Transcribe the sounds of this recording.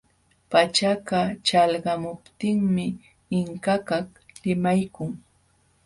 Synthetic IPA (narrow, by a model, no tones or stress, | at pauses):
pat͡ʃakat͡ʃalɢɑmʊpt̪ɪŋmɪ | ɪŋkakak | lɪmajkʊŋ